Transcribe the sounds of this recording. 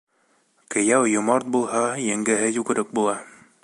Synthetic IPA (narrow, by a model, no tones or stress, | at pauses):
kɘ̆jæwjŏmɑɾt̪̚bulˠhɑjɘ̆ŋɡɘ̆ɦɘjʉɡɘ̆ɾɘk̚bulˠɑ